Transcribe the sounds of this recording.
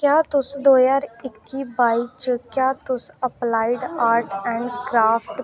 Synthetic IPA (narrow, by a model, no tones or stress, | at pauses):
kjaːt̪ʊsd̪oːjaːɾɪkːiːbaːiːt͡ʃkjaːt̪ʊsəplaːiɖaːɾʈɛ̃ːɳɖkɾaːpʰʈ